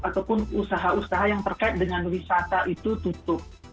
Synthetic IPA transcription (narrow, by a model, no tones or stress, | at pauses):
at̪awpʊnusaɦausaɦajaŋt̪ərkaɪt̪̚dəŋanwisat̪aʔit̪ut̪ut̪ʊp̚